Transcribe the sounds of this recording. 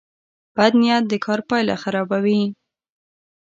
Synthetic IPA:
b̥ad̪nijɑt̪̚d̪əkʰɑɾpɑjla̰xaɾɑbawi

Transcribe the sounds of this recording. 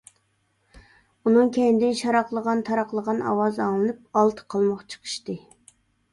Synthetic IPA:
unɨŋkʲʰɛjnd̪ɪnʃɑɾɑqlˠəʁɑnt̪ʰɑɾɑqlˠəʁɑnɑ̰wɑzɑŋlˠɨnɨp̚ɑlˠt̪ʰə̥qʰɑlˠmɑqt͡ʃʰə̥qʰə̥ʃt̪ɨ

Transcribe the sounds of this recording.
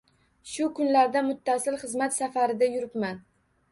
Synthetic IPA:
ʃʊkʰʊnlaɾd̪amʊt̪ʰːasɪlχɨzmat̪safaɾɪd̪ajʊɾɪpman

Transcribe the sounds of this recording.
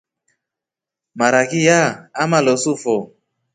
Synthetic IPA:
maɾakijaamalɔsufɔ

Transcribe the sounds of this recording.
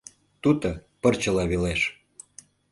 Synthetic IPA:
t̪ut̪əpɤ̆rt͡ɕə̆lɑβeleʃ

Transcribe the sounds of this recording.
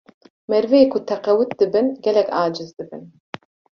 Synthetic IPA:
mɛɾvɛjeːkʰʊt̪ʰɛqɛwɨt̪̚d̪ɨbɨnɡɛlɛkaːd͡ʒɨzd̪ɨbɨn

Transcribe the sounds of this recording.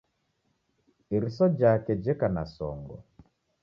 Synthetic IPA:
iɾisɔd͡ʒakɛd͡ʒɛkanasɔ̰ŋɡɔ̰

